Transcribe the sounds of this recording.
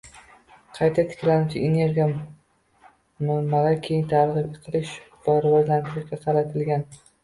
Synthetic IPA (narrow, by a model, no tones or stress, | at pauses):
qʰɑjt̪ʰat̪ʰɪ̥kʲlanʊt͡ʃʰɪene̞ɾɡʲija | mamalaɾkʲʰejɪnt̪ʰaɾʁɨpeqʰɨlɪʃ | v̥aɾvɒzlant̪ʰɪɾɪʃɡʲaqʰɑɾat̪ʰɪlɡʲan